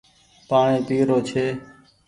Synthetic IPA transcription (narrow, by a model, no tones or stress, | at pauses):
paːɳẽːt̪iːɾoːt͡ʃʰeː